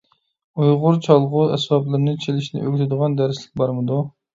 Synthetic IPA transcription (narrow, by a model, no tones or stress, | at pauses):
ujʁʊɾt͡ʃʰɑlˠʁʊɛswɑblˠɨɾnɨt͡ʃʰelɪʃnɪ̰ʔøɡʲt̪ʰɪd̪əʁɑnd̪æɾslɪ̥k̚ʲbɑɾmɨd̪u